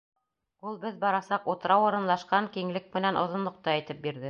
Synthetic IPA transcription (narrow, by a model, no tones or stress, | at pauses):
ulˠbɘðbɑɾɑsɑqut̪ɾɑwŏɾɤ̆nlˠɑʃqɑŋkiŋlɘk̚mɘ̆nænʔŏ̰ðŏnlˠŏq̚t̪ɑæjt̪ɘp̚biɾðɘ